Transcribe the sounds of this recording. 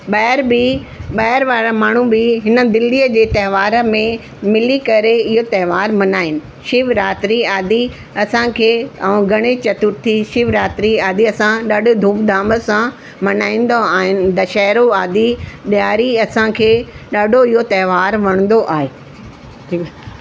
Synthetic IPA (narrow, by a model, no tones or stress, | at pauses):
ɓɐɾbiɓɐɦɪɾʋaːɾamaːɳ̤ũbɪɦɪnə̆d̪ɪlːiəd͡ʑeːt̪ɐɦɪʋaːɾmẽ | mɪlikɐɾeɪɦot̪ɐɦɪʋaːɾmɐnaːɦɪnɪ̆ | ʃɪʋɾaːt̪ɾiaːd̪i | ɐsãkʰeːɐ̃ɡʱɐɽ̃et͡ɕɐt̪ʊɾt̪ʰiʃɪʋɾaːt̪ɾiaːd̪iɐsãɗaɖd̪ʱũːpd̪ʱaːmbəsã | mɐnaːĩːn̆d̪oaːɦɪnɪ̆d̪ɐʃaːɾoaːd̪iɓjaːɾiɐsãkʰeːɗaːɖʱoɪɦot̪ɐɦʋaːɾʋɐɽ̃ə̃n̆d̪oʔaːɦeː | iːk